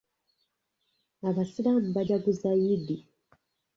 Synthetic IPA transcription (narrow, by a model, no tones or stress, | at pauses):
aβasiɾam̩bad͡ʒaɡuzaidi